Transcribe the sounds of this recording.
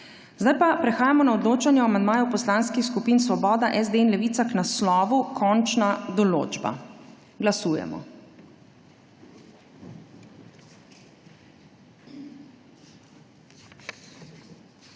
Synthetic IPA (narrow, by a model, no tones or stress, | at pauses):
zd̪ajpapɾɛxaːjamɔnaɔd̪loːt͡ʃanjɛamand̪maːjupɔslaːnskixskupiːnsʋɔbɔːd̪aʔɛzd̪einlɛʋiːt̪saknaslɔːʋukʰɔnt͡ʃnad̪ɔlo̰ːd͡ʒba̰ | ɡlasuːjɛ̰mɔ̰